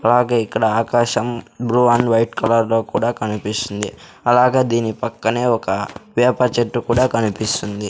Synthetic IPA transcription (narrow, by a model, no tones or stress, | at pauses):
ɐlaːɡe̞ːikːɐɽɐaːkaːʃɐmbɾuaːnʋɐjʈkɐlɐɾlo̞ːkuːɽaːkɐnipist̪und̪ḭ | ɐlaːɡe̞ːd̪iːnipɐkːɐneːɔkɐʋɛːpɐt͡ʃeʈːukuːɽaːkɐnipist̪und̪i